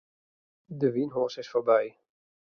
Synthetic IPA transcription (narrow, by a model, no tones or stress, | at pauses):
dəvinɦɔɹsɪsfoɹbɛj